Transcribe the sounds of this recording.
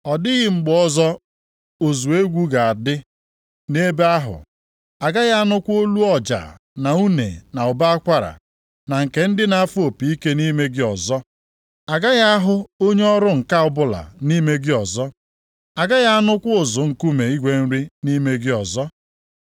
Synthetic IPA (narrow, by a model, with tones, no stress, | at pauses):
ɔ˨dɪ˦ɣɪ˨ŋ͡m̩˨ɡ͡bɔ˦zɔ˦ | o˨zu˨e˦ɡʷu˦ɡa˨a˨dɪ˦ | ne˦be˦a˦ɦʊ̰˨ | a˨ɡa˦ɣa˦a˦nʊ˦kʷo˦lu˦ɔ˨d͡ʒa̰˨ | na˨u˦nḛ˨na˨ʊ˨ba˦a˦kʷa˦ɾa̰˨ | na˨ŋ̩˨ke˨n̩˦dɪ˦na˨a˦fu˦o˨pi˨i˦ke˦ni˦me˦ɡɪ˦ɔ˨zɔ˦ | a˨ɡa˦ɣa˦a˦ɦʊ˦o˦ɲe˦ɔ˦ɾʊ˦ŋ̩˨ka˦ʊ˦bʊ˦la̰˨ni˦me˦ɡɪ˦ɔ˨zɔ˦ | a˨ɡa˦ɣa˦a˦nʊ˦kʷʊ˦ʊ˨zʊ˨ŋ̩˨ku˦me˨i˦ɡʷe˦n̩˦ɾi˦ni˦me˦ɡɪ˦ɔ˨zɔ˦